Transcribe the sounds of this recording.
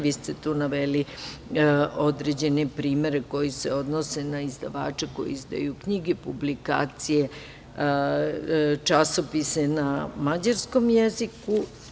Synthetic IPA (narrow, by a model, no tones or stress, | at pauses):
ʋiːst̪et̪uːnaʋeli | o̞d̪ɾed͡ʑe̞nepɾiːme̞ɾeko̞jiseo̞d̪nose̞naizd̪a̰ʋa̰ːt͡ʂeko̞̰jḭizd̪a̰jukɲiɡepublika̰ːt̪sije | t͡ʂaso̞pise̞namad͡ʑaɾsko̞mjeziku